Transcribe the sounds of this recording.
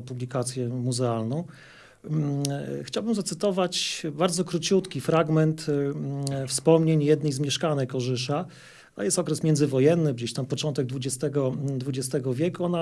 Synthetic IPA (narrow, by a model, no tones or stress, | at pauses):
publʲikat̪sʲjɛmuzɛalnɔ̃w̃ | xt͡ɕawbɘmzat̪sɘt̪ɔvat͡ɕbaɾd̪zɔkɾut͡ɕut̪kʲifɾaɡmɛnt̪ | fspɔmɲeɲjɛd̪nɛjzmʲjɛʂkanɛkɔʐɘʂa | a̰jɛst̪ɔkɾɛsmʲjɛndzɘvɔjɛnːɘd͡ʑeɕt̪ampɔt͡ʂɔnt̪ɛɡ̚d̪vud͡ʑɛst̪ɛɡɔd̪vud͡ʑɛst̪ɛɡɔvʲjɛkuɔna